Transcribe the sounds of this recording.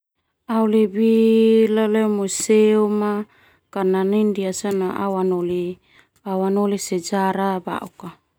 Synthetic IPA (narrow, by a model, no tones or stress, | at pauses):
aulebilalɛmuseuma | kananindiasanaʔa̰wanoli | awanolisɛd͡ʒaɾaba̰ʔuka